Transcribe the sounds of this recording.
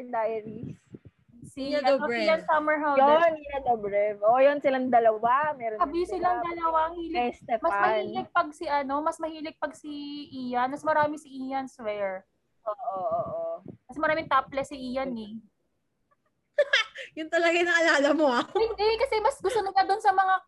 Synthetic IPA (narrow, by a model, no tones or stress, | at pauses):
nd̪ajɾis | siɐosɪlɐnsɐmɛɹɦawjoniɐd̪obɹɛvʔojonsɪlaŋd̪ɐlɐwamɛɾonɐbisɪlɐŋd̪ɐlɐwaɐŋhiːlɪɛst̪ɛfmɐsmɐhlilɪk̚pɐɡ̚siʔɐno̞mɐsmɐhiːlɪk̚pɐɡsiʔiːjɐnmɐsmɐɾaːmɪsɪʔiːjɐnswɛɹ | ʔoːʔoʔʔokɐsɛmɐɾaːmɪŋt̪aplɛsɪʔiːjɐnɛ | jʊŋt̪ɐlɐɡajnɐŋʔɐlaːlɐmoahɪnd̪ɛkɐsɛmɐsɡʊst̪onɐk̪ɐd̪onsɐmɐŋa